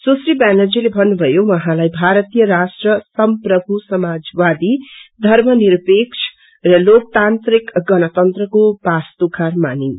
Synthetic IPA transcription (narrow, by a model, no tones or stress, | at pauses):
sosɾibanʌd͡zilebʱʌnːubʱʌjowʌɦãlajbʱaɾʌt̪ijʌɾasʈrʌsʌmprʌbʱusʌmad͡zwad̪id̪ʱʌrmʌniɾpekt͡ʃʰ | rʌlok̚t̪ant̪rikɡʌnʌt̪ʌnt̪rʌkobast̪ukʰarma̰ni